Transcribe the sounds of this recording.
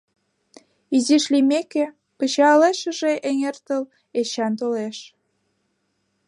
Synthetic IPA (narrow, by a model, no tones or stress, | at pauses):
iziʃlimeke | pət͡ɕɑleʃə̆ʒeʔeŋert̪əl | et͡ɕɑnt̪oleʃ